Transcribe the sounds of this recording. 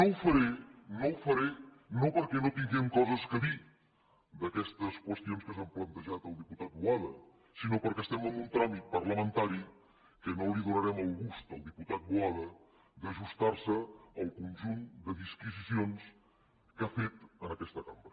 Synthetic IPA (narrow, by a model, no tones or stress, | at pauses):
nowfəɾenowfəɾe | nopəɾkɛnot̪iŋɡɛmkɔzəskəði | d̪əkɛst̪əskwəst̪ionskəsamplənt̪əʒat̪əlˠd̪iput̪at̪̚bwaðə | sinopəɾkɛəst̪ɛmənunt̪ɾamit̪̚pəɾləmənt̪aɾi | kənoliðunəɾɛməlˠɣust̪ə̰lˠd̪iput̪at̪̚buaðə | d̪əʒust̪aɾsəːlˠkunʲʒund̪əðiskizisions | kafet̪ənəkɛst̪əkambɾə